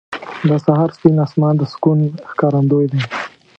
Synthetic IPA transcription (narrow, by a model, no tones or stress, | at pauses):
d̪əsaɦɑɾspinasmɑnd̪əskunxkɑɾand̪ojd̪e